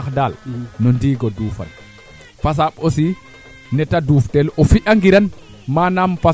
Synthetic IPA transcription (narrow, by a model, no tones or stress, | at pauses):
kdalnɔndiːɡɔduːfa̰n | fas̬aɓosi | nɛtaduːftɛlɔfiʔaŋɡiɾan | manampa